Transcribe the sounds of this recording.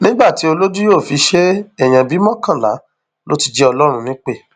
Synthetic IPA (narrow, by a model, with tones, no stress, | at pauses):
nĩ˦ɡ͡ba˦˨ti˨˦o˧lo˦du˦joː˦˨fi˨˧˦ʃe˦ɛ˨j̃ã˨bi˨˦mɔ̃˦kã˦˨la̰˨˦ | lo̰˦ti˨d͡ʒɛ˦ɔ˧lɔ˦ɾ̃ũ˧nĩ˦k͡pe˦˨